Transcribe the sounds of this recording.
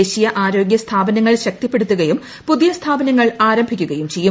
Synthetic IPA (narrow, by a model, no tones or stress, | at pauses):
eːɕijɐʔaːɾo̞ːɡʲjɐst̪ʰaːbɐnɐŋːɐɭɕɐk̚t̪ipːe̞ɽut̪ːuɣɐjum | puðijɐst̪ʰaːbɐnɐŋːɐɭaːɾɐmbʱikʲːuɣɐjumt͡ɕe̞jːu